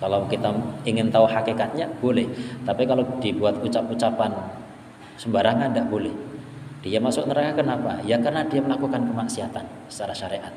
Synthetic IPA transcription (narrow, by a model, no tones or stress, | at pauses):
kalawkit̪aiŋɪnt̪auhakikat̪̚ɲab̥olɛht̪apikalowd̥ibuat̪̚ut͡ʃap̚ut͡ʃapan | səmbaɾaŋandaʔb̥olɛh | d̥iamasʊknəɾakakənapa̰jakarnad̥iaməlakukankəmaksiɦat̪an | sə̥t͡ʃaɾaʃaɾeʔat̪̚